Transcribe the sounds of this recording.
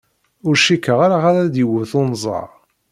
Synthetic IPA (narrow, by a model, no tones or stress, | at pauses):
ʊɾʃikːəʁaɾaʁaɾæd̪iwəθʊnzˤɑ̰ʁ